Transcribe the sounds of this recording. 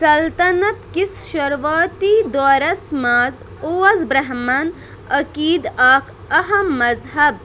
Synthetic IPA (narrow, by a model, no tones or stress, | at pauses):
sɐlt̪ɐnɐt̪kisʃɐɾʋaːt̪iːd̪ɔːɾɐsmaːz | oːɐzbɾɐɦmaːn | ɐkiːd̪aːkʰ | ɐɦɐmːɐzɦɐb̚